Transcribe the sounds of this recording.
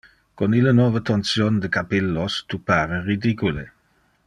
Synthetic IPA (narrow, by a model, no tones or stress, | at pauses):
konilənwɔːvət̪ɔnsjond̪əkapilːost̪upaːɾeɾid̪ikule